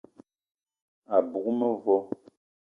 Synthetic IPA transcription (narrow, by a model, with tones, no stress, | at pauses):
a˨bu˨kmə˦vɔ˦